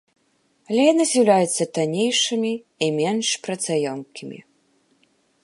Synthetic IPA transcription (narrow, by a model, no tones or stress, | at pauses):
ɐlʲɛjanɨzʲiwlʲajɛt̪sːɐt̪anʲejʂɨmʲi | imʲɛnʂpɾɐt̪sajɔmkʲimʲḭ